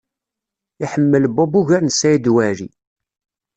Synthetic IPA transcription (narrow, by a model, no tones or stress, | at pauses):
iħəmːəlbɔbuʝæɾnsæjid̪wæɾi